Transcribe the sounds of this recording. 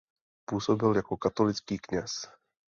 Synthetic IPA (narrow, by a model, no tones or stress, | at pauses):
puːso̞bɪljakokat̪o̞lɪt͡skiːkɲɛs